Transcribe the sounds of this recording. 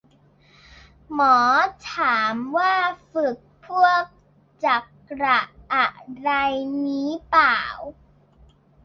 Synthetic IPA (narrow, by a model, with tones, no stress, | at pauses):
mɔː˩˦t̪ʰaː˩˦mwaː˥˩fɯ˨˩k̚pʰu˥˩ək̚ | t͡ɕa˨˩k | ɾa˨˩ʔa˨˩ʔɾa˧jniː˦˥paː˨˩w